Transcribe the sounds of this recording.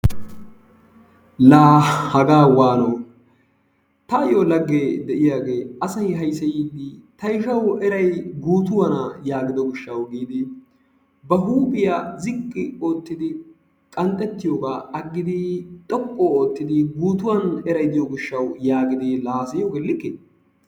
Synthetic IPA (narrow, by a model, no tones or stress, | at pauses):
laːhɐɡaːwaːno | t̪ɐjolɐɡːed̪ɛʔɪjaːɡe̞ːʔɐsɐjɦɐjsɐjiːd̪ɪt̪ɐjʃɐwɛɾɐjɡuːt̪ʊwɐnɐjaːɡɪd̪ɔɡɪʃːɐwɡiːd̪ɪ | bɐɦuːpʼɪjazɪkʼːɪoːt̪ːɪd̪ɪ | kʼɐnt̪ʼːɛt̪ːɪjoːɡaːʔɐɡːɪd̪ɪt̪ʼɔpʼːoːoːt̪ːɪd̪ɪɡuːt̪ʊwɐnɛɾɐjd̪ɪjoɡɪʃːɐwjaːɡɪd̪ɪlaːsɐjoɡɛlːɪkːe